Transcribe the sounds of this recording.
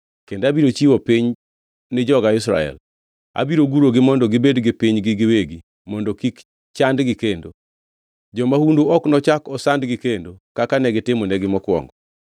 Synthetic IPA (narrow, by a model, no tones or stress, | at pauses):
kendabiɾot͡ʃiwopiɲ | nɪd͡ʒɔɡaɪsɾa̰ɛ̰l | a̰biɾoɡuɾoɡɪmɔndɔɡɪbedɡɪpiɲɡɪɡɪweɡi | mɔndɔkik | t͡ʃandɡɪkendo | d͡ʒɔmahundoɔknɔt͡ʃakɔsandɡɪkendokakanɛɡɪtɪmonɛɡɪmɔkwɔ̰ŋɡɔ